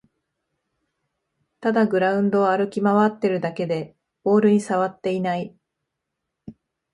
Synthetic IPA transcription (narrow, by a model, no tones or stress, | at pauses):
t̪ad̪aɡɯ̟ɾaɯ̟̃nd̪o̞aɾɯ̟kʲimaβat̪ːe̞ɾɯ̟d̪ake̞d̪e̞ | bo̞ːɾɯ̟ɲ̟isaβat̪ːe̞inai